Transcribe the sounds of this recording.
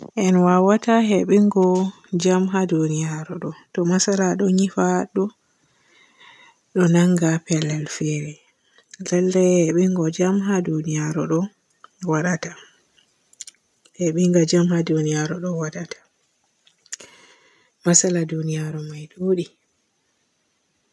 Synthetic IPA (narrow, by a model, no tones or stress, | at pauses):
ʔɛnwawataɦɛɓiŋɡɔ | d͡ʒamɦadunijaɾɔɗɔtɔmasalaɗɔɲifaɗɔ | ɗɔnaŋɡapɛlːɛlfɛɾɛ | lɛlːɛhɛɓiŋɡɔd͡ʒamɦadunijaɾɔɗɔ | waɗata | hɛɓiŋɡad͡ʒamhadunijaɾɔɗɔwaɗatʰḁ | masaladunijaɾɔmajɗoːɗi